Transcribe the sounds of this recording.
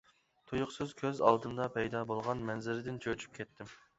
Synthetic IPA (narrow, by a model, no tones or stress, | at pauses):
t̪ʰojʊqsɨzkʲʰøzɑ̰lˠd̪ɨnd̪ɑpʰɛjd̪ɑbolˠʁɑnmɛnzɪɾɪd̪ɪnt͡ʃʰøt͡ʃʰy̥p̚kʲʰɛt̪ːɪm